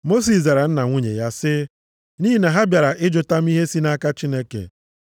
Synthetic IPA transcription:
mo˦s̬i˨sza˨ɾa˨n̩˦na˨ŋʷu˦ɲḛ˨ja˦sɪ˦ | ni˦ɦi˦na˨ɦa˦bja˨ɾa˨ʔɪ˦d͡ʒʊ˨ta˦m̩˦i˦ɦe˦si˦na˦ka˦t͡ʃi˦ne˦kḛ˨

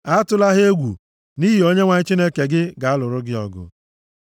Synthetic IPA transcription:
a˦tʊ˦la˦ɦe˦ɡʷṵ˨ | ni˦ɦi˨o˦ɲe˦ŋʷa˨ɲɪ˦t͡ʃi˦ne˦ke˨ɡɪ˦ɡa˨a˦lʊ˨ɾʊ˦ɡɪ˦ɔ̰˨ɡʊ̰˨

